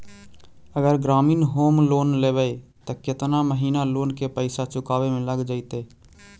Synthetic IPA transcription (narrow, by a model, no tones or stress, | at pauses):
əɡəɾɡɾaːmiːnɦoːmloːnleːbəet̪əket̪naməɦiːnaloːnkepəɪsat͡ʃʊkaːbemẽləɡd͡ʒaːɪt̪eː